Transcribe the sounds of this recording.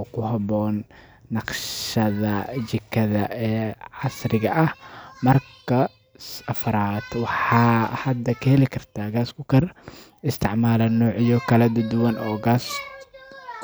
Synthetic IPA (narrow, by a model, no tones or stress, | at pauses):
ɔkʰʊɦɑβɔːnː | ɑqʃɐðɐt͡ʃɪkʰːɐðɐʔɛːʕɑsɾɪɣɐʔɐhmɐrkʰɐ | sɐfɾaːd̪wɑħɑːhɐd̪ɐkʰɐhɛlɪkʰɐrt̪ʰaːɡaːskʊkʰɐr | ɪst̪ʰɪʕmaːlɐnɔːʕɪjɔkʰɐlɐd̪ɐd̪ʊwɐnʔɔːɡaːs